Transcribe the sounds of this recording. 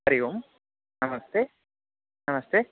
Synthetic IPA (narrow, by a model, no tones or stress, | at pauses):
ɾijom | nɐmɐst̪e | nɐmɐst̪e